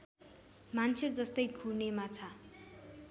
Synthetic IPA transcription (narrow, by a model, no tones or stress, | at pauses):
mant͡sʰed͡zʌst̪ʌjɡʱunemat͡sʰʌ